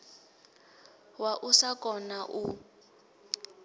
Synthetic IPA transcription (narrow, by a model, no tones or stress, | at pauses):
waʔusakʼɔnaʔu